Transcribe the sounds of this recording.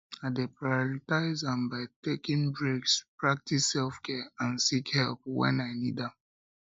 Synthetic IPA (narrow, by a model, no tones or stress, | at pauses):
aɪdepɹajɔɹitaɪzãmbaɪtekĩŋbɹekspɹak̚tisːɛlfkʰɛãnsikhɛlp̚wɛ̰̃naɪnḭdãm